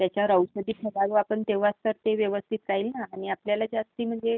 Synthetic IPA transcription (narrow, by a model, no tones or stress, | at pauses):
t̪jat͡ɕjaɾəwsəd̪iːpʰəɡaɾuapəɳt̪eʋast̪əɾt̪eʋjəʋəst̪ʰit̪ɾaɦilnaːɽ̃iapljalad͡zast̪iːm̤əd͡zʱe